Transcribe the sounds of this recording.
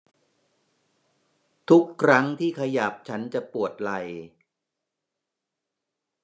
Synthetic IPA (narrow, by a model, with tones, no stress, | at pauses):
t̪ʰu˦˥kʰːɾa˦˥ŋt̪ʰiː˥˩kʰa˧ja˨˩p̚t͡ɕʰa˦˥nt͡ɕa˨˩pu˨˩ət̪̚la˨˩j